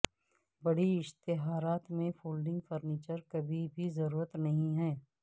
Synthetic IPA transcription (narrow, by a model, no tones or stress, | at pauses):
bɐɽiɪʃt̪ɪɦaːɾaːt̪mẽfoːlɖɪ̃ŋɡfəɾniːt͡ʃəɾkɐbʱibʱizɐɾuːɾət̪nɐɦĩɦɛː